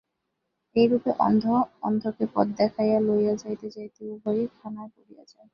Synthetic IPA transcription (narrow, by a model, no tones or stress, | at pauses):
ejɾupeʔɔ̰nd̪ʱoɔnd̪ʱokepɔ̰d̪̚d̪ɛkʰajalojad͡ʑajt̪et͡ɕajt̪iubʱojik̪ʰanaepoɽija̰d͡ʑae